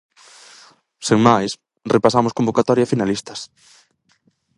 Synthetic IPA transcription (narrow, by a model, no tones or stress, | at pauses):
seŋmajs | repasamʊskombokat̪ɔɾjafinalist̪ɐs